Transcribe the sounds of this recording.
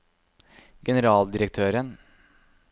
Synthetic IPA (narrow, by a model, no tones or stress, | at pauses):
ɡɛnəɾɑːld̪ɪɾək̚t̪ʰøːɾən